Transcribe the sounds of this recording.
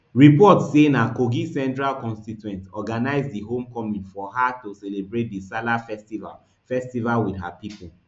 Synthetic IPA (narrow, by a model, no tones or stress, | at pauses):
ɹipɔtsenakoɡisɛ̃ntɹalkɔ̃nstitwɛ̃ntɔɡanaɪzdiɦõmkɔmĩnfɔɦatosɛlebɹet̚disalafɛstiva̰l | fɛstivalwidɦa̰pipul